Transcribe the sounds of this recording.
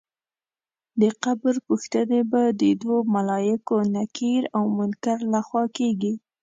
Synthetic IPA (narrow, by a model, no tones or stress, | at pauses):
d̪əqabəɾpuxt̪ənebad̪əd̪womalɑjɪkonakʰiɾawmʊnkaɾlaxwɑkeɡi